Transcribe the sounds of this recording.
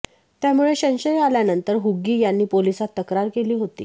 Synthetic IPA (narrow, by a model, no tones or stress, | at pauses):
t̪jamuɭeɕə̃nɕəjaljanənt̪əɾɦuɡːiːjanːiːpolisat̪ːəkɾaɾkeliːɦot̪ḭː